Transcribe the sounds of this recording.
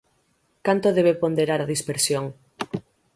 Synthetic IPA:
kant̪oðeβepond̪eɾaɾaðispeɾsjoŋ

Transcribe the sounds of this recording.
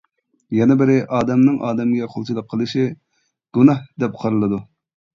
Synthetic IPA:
jɛnɛbɪɾɪʔɑːd̪ɛmnɨŋʔɑːd̪ɛmɡʲɛqʰolˠt͡ʃʰilˠəqʰːəlˠɨʃi | ɡ̥unɑhd̪ɛp̚qʰɑɾɨlˠɨd̪u

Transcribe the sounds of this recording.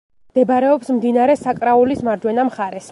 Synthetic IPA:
md̪̥ɛbɾɛɔpsmd̪inaɾɛsakʼɾaulismaɾd͡ʒwɛnamχaɾɛs

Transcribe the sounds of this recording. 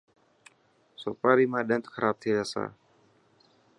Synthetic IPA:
sopɾaɾimadant̪ə̥kaɾʔap̚t̪ʰidasa̰

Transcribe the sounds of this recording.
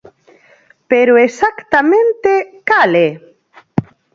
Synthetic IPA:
peɾoesakt̪amẽnt̪ekale

